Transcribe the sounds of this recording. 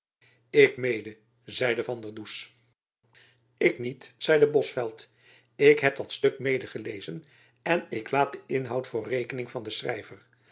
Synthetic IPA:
ɪkmejdə | zɛjdəvɑndərdus | ɪknitz̥ɛjdəbɔsfɛlˠt | ɪkɦɛp̚d̥ɑtstɵk̚mejdəχəlejzən | ɛnɪklaːt̚dəɪnɦʌwtfʊːrejkənɪŋvɑndəsrɛ̰jvər

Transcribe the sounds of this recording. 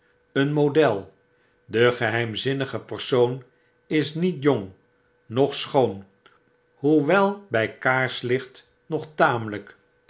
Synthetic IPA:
ənmodɛlˠ | dəχəɦɛjmzɪnəχəpəɹsown | ɪsnitjɔŋ | nɔχsχown | hɦuʋɛlˠbɛjkaːɹslɪχt | nɔχtaːmələk

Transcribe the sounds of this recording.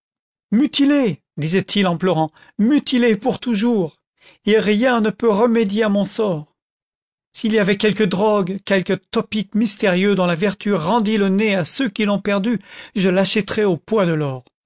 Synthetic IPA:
myt̪ile | d̪izɛt̪ʰilɑ̃plœʁɑ̃ | myt̪ilepuʁt̪uʒuːʁ | eʁjɛ̃nəpøʁəmed̪jeamɔ̃sɔːʁ | siliavɛkʲɛlkəd̪ʁɔɡkʲɛlkət̪ɔpikmist̪eʁjød̪ɔ̃lavɛʁt̪ʰyʁɑ̃d̪iləneasøkʲilɔ̃pɛʁd̪yʒəlaʃɛt̪ʁɛopwad̪əlɔːʁ

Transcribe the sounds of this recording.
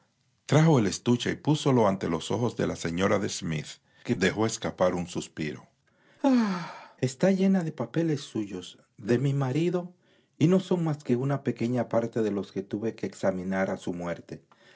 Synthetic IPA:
t̪ɾaxo̞ele̞st̪ut͡ʃaipuso̞lo̞ant̪e̞lo̞so̞̰xo̞zðḛlase̞ɲo̞ɾaðe̞smḭθ | keðe̞xo̞eskapaɾunsuspiɾo̞̰ | ae̞st̪aʝe̞naðe̞pape̞le̞sːuʝo̞z | ðe̞mimaɾiðo̞ | ino̞so̞ŋmaske̞unape̞ke̞ɲapaɾt̪e̞ðe̞lo̞ske̞t̪uβe̞keːksamĩnaɾasumwe̞ɾt̪e

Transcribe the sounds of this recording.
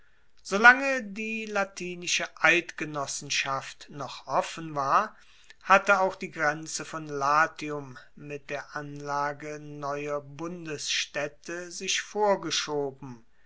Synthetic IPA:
z̥olaŋədiːlatʰiːnɪʃəʔaltɡ̥ənɔsn̩ʃaftnɔχʔɔfən̩vaːɐ | hatəaʊxd̥iːɡʁɛnt͡səfɔnlaːtiʊmːɪt̚d̥eːɐʔanlaːɡənɔʏɐbʊndəsʃtɛtʰəzɪçfoːɐɡəʃoːbm̩

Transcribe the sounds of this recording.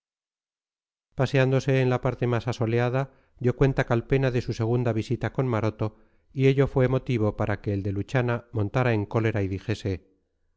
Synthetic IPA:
paseand̪o̞se̞ːnlapaɾt̪e̞masaso̞leaða | d̪jokwe̞nt̪akalpe̞naðe̞suse̞ɣ̞und̪aβ̞isit̪ako̞nmaɾo̞t̪o̞ | ie̞ʎo̞fwe̞mo̞t̪iβ̞o̞paɾʔake̞ːld̪e̞lut͡ʃanamõ̞nt̪aɾae̞ŋko̞le̞ɾaiðixe̞se̞

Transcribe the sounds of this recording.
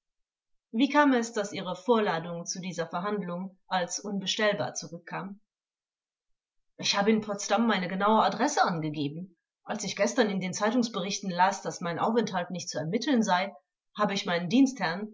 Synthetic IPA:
viːkʰaːmɛsd̥asʔiːʁ̞əfoːɐlaːdʊŋt͡sudiːzɐfɛɐɦandlʊŋʔalsʔʊnbəʃtɛlba̰ɐt͡suʁʏkʰːaːm | ʔɪçhaːbəɪnpʰɔt͡stamːaɪnəɡənaʊəadʁɛsəʔanɡəɡeːbm̩ | ʔalsɪçɡ̥ɛstɐnɪndeːnt͡saɪtʊŋsb̥əʁɪçtn̩laːsd̥asmaɪnʔa̰ʊfɛnthaltnɪçt̚t͡suɛɐmɪtʰl̩nzaɪ | haːbəɪçmaɪnəndiːnsthɛɐn

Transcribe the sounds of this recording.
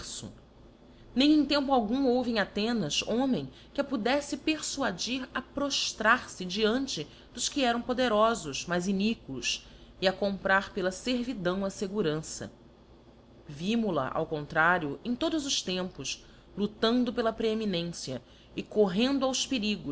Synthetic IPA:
sʊ̰ | nẽj̃ẽj̃t̪ẽmpʊawɡũowvɪẽj̃at̪ẽnɐzõmẽj̃ | kɪɐpud̪ɛsɪpeɾsuad͡ʒiɾɐpɾoʃt̪ɾaɾsɪd͡ʒiɐ̃nt͡ʃɪ | d̪ʊʃkɪɛɾɐ̃w̃pod̪eɾɔzʊʃmajzinikulʊs | ɪɐkõmpɾaɾpelɐseɾvid̪ɐ̃w̃ɐseɡuɾɐ̃sɐ̰ | vimʊlɐ̰ʔa̰wkõnt̪ɾaɾjʊẽj̃t̪od̪ʊzʊʃt̪ẽmpʊʃ | lut̪ɐ̃nd̪ʊpelɐpɾeeminẽsjɐ | ɪkoɦẽnd̪ʊawspeɾiɡʊ

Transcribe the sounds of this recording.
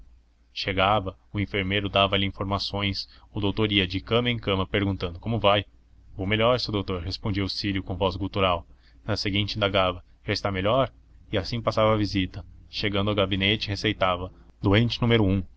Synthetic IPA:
ʃeɡavɐʊĩfeɾmejɾʊd̪avɐlɪĩfoɾmasõj̃sʊd̪owt̪oɾiɐd͡ʒɪkɐ̃mɐẽkɐ̃mɐpeɾɡũnt̪ɐ̃nd̪ʊkõmʊvaj | omeʎɔɾsed̪owt̪oɾɦespõnd͡ʒiwʊsiɾjʊkõvɔzɡuwt̪uɾaw | nɐseɡĩnt͡ʃɪĩnd̪aɡavɐ | ʒ̥aɪst̪ameʎɔɾ | ɪasĩpasavɐːvizit̪ɐʃeɡɐ̃nd̪ʊɐwɡabinet͡ʃɪhesejt̪avɐd̪oẽnt͡ʃɪnũmeɾʊũ

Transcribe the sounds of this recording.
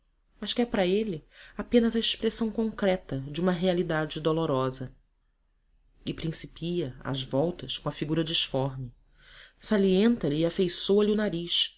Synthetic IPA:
mɐʃkɛpɾɐelɪapẽnɐzɐeʃpɾesɐ̃w̃kõŋkɾɛt̪ɐd͡ʒɪũmɐɦealid̪ad͡ʒɪd̪oloɾɔzɐ | ɪpɾĩsipiɐa̰zvɔwt̪ɐskõɐfiɡuɾɐd͡ʒiʃfɔɾmɪ | saliẽnt̪ɐlɪːafejsoɐliʊnaɾiʃ

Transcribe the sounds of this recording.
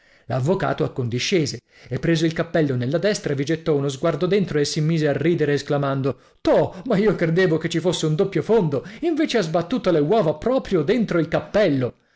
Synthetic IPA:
lavːoka̰ːt̪oakːond̪iʃːeːze | epːɾeːzoilkapːɛlːonelːad̪ɛst̪ɾavid͡ʒet̪ːɔunozɡward̪od̪ent̪ɾoesːimiːzearːiːd̪eɾeːsklamand̪o | t̪ɔmaiːokɾed̪eːvoket͡ʃːifosːeund̪opːjofond̪oiɱveːt͡ʃeazbat̪ːuːt̪olewɔːvapɾɔːpɾjod̪ent̪ɾoilkapːɛlːo

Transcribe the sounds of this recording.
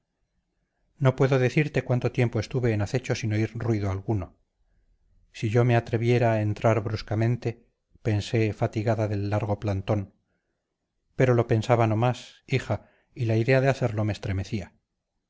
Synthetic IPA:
no̞pwe̞ðo̞ðe̞θiɾt̪e̞kwant̪o̞t̪je̞mpo̞est̪uβe̞ːnaθe̞t͡ʃo̞sinoiɾrwiðoalɣuno | siʝo̞me̞at̪ɾe̞βje̞ɾaːe̞nt̪ɾaɾβɾuskamẽnt̪e̞ | pe̞nse̞fat̪iɣaðaðe̞lːaɾɣ̞o̞plant̪o̞n | pe̞ɾo̞lo̞pe̞nsaβano̞masixa | ilaiðe̞aðeaθe̞ɾlo̞me̞ːst̪ɾe̞me̞θia

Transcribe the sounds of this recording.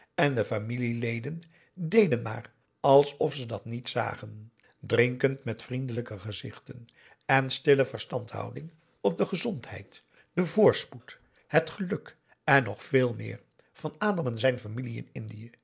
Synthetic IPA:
ɛndəfamililejdən | dejdənma̰ːr | ɑlˠsɔfsədɑtnitsa̰ːχən | drɪŋkəntmɛtfrindələkəχəzɪ̰χtən | ɛnstɪləvəɹstɑntɦɑ̰wdɪŋ | ɔp̚dəχəzɔntɦɛ̰jt | d̥əvʊːɹsput | ɦətχəlɵk | ɛnːɔχfɪːlˠmɪ̰ːɹ | v̥ɑnaːdɑmənzɛjnfamiliɪ̰nɪndiə

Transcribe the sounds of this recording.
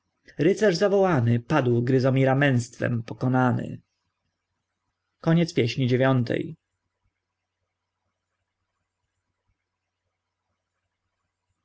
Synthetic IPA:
ɾɘt̪sɛʐzavɔwanɘpad̪wɡɾɘzɔmʲiɾamɛ̃ñst̪fɛ̰mpɔkɔnanɘ̰ | kɔɲɛt̪spʲjɛɕɲid͡ʑevʲjɔnt̪ʰɛ̰j

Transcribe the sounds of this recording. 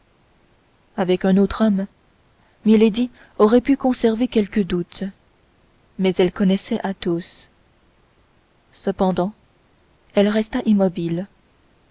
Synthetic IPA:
avɛkœ̃not̪χɔm | miled̪i | ɔʁɛpykɔ̃sɛʁvekʲɛlkəd̪ut̪ | mɛzɛlkɔnɛsɛʔat̪os | səpɑ̃d̪ɑ̃ | ɛlʁɛst̪aʔimɔbil

